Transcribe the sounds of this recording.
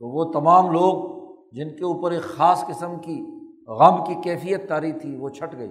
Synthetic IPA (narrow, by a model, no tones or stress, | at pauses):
t̪oʋot̪ɐmaːmloːɡ | d͡ʒɪnkeuːpəɾeːkxaːskɪsəmki | ɣɐmkikɛːfijət̪ːaːɾit̪ʰiʋot͡ʃʰɐʈɡɐḭ